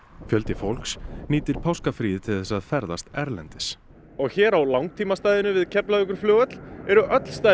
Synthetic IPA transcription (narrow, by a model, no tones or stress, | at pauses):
fjœlt̪ɪfowlksniːt̪ɪɾ̥pʰawskafɾiːðɪt̪ʰɪlθɛsaðfɛɾðast̪ɛɾlɛnt̪ɪs | ɔɣçɛːɾawlawŋt̪ʰiːmast̪aːjðɪnʏvɪðcʰɛplaðʏkʏɾ̥flœːɣœt̪l̥ɛɾʏʔœt̪l̥st̪a